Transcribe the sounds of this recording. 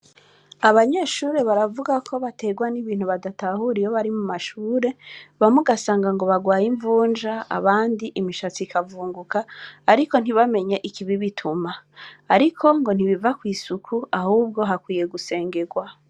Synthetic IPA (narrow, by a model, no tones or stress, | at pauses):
aβaɲe̞ːʃuːɾe̞βaɾavuɡakʰo̞βate̞ːɡwaniβiːn̥huβadatahuɾijo̞βaɾimumaʃuːɾe̞βamuɡasaːŋɡaŋɡo̞βaɡwaːjiɱvuːnd͡ʒaa̰βaːndiʔimiʃat͡sikʰavuːŋɡukaːɾiko̞n̥iβame̞ɲeʔikiβiβitʰumaːɾikʰo̞ŋɡo̞n̥iβivakwiːsukʰuahuːb̚ɡo̞ɦakwiːje̞ɡuse̞ːŋɡe̞ɡwa